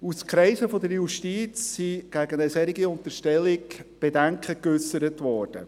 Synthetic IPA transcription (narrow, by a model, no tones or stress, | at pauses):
uskɾɛɪsəfɔdəɾjuʃtiːt͡sːiɡ̥æɡənəsɛɾiɡiʊntəʃtɛlɪkb̥edɛŋkχəkʏsəɾətʋɔːɾd̥ə̰